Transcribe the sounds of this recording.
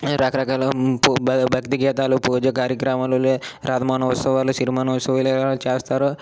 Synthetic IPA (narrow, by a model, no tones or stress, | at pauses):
ɾɐkɐɾɐkaːlɐpbʱɐkt̪iɡɛːt̪aːlupuːd͡ʒɐkaːɾjɐkɾamaluleɾʔaːd̪ʱɐmaːnɐʋɐt̪sɐʋaːluʃiɾimaːnɐʋɐsɐʋilɐlt͡ʃeːst̪aːɾu